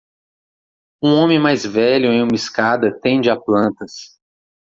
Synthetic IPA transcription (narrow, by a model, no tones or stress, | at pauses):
ũõmẽmajzvɛʎʊẽj̃ũmɐiskad̪ɐt̪ẽd͡ʒɪaplɐ̃nt̪ɐs